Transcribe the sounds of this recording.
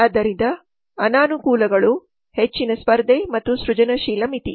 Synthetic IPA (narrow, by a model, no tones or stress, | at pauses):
aːd̪ɐɾind̪ɐ | ɐnaːnukuːlɐɡɐɭu | het͡ʃːinɐspɐɾd̪ʱemɐt̪ːusɾud͡ʒɐnɐʃiːlɐmit̪i